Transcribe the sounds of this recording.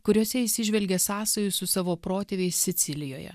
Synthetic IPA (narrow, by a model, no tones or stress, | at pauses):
kʊɾʲoːsʲɛisʲɪʒʲʋʲɛlʲɡʲesɑːsɐjʊsʊsɑːʋoːpɾoːt̪ʲeːʋʲeɪsːʲɪt̪sʲɪlʲɪjoːjɛ̰